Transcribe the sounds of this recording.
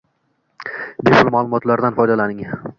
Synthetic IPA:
bepʰʊlˠmalˠʊmɒt̪laɾd̪anfɒjd̪alanɪŋ

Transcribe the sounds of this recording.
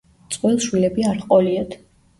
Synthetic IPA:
t̪sʼqʼwɛlˠʃwilɛbiaɾqʼɔliat̪ʰ

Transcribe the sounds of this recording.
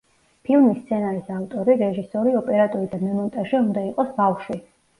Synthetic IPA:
pʰilˠmist̪sʰɛnaɾisavt̪ʼɔɾiɾɛʒisɔɾiɔpʼɛɾat̪ʼɔɾid̪amɛmɔnt̪ʼaʒɛund̪aiqʼɔsbafʃi

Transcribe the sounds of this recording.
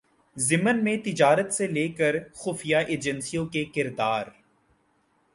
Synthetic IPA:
zɪmənmẽt̪ɪd͡ʒaːɾət̪seleːkəɾxʊːfijaʔeːd͡ʒənsijõkekɪɾd̪aːɾ

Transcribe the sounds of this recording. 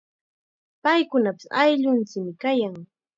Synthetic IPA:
pajkʊnapɪ̥sajʎʊnt͡sɪkmɪkajaŋ

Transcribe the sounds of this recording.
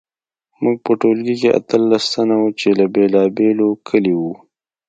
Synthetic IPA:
mʊɡ̚pəʈolɡikeʔa̰t̪əlːast̪anawut͡ʃelabelɑːbelokʰəliwu

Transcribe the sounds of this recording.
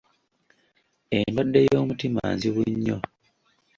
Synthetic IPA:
endadːejo̞ːmutima̰nziβwuɲːo

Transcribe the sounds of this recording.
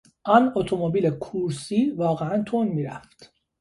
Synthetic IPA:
ʔɒːnot̪ʰomobiːlekʰuɾsiːvɒːɣeænt̪ʰonmiːɾæ̰ft̪

